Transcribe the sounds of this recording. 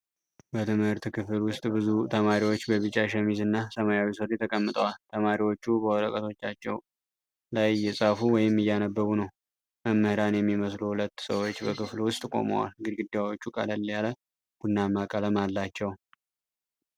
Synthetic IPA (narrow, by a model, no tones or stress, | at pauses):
bət̪ʰɨmhɨɾt̪kʰɨfɨlwʊst̪ʼbɨzut̪ʰəmaɾiwo̞t͡ʃːbəβɨt͡ʃʼːaʃəmizɨnːasəmajawisəɾjɛt̪ʰəkʼəmːɨt̪ʼəwalt̪ʰəmaɾiwo̞t͡ʃːubəwɔləkʼət̪ʰo̞t͡ʃːat͡ʃːɛw | lajːɛsʼafuwɔjɪmːɨjːanəbːəɡunəw | məmːɨhɨɾanjɛmːiməsluhulət̪ːsəwo̞t͡ʃːbəkʰɨflwʊst̪ʼkʼo̞̰mə̰wa̰lɡɨd̪ɡɨd̪jawot͡ʃːukʼə̰ləlːjalə | ɡ̥unːamakʼələmalːat͡ʃːɛw